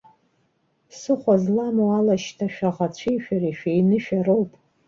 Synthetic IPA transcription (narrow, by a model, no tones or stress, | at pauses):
sɨχʷazlamowalaʃtʰaʃᶣaʁat͡ɕʷʰijʃᶣariʃᶣejnɨʃᶣarowpʼ